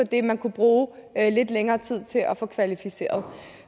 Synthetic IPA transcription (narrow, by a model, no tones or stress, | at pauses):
ɒ̽d̥e̝mænkʰub̥ʁuːle̝d̥leŋɐːt͡sʰið̰ˠt͡sʰe̝lʔɒfɔ̽kʰʋælifise̝̰ːɐð̞̩ˠ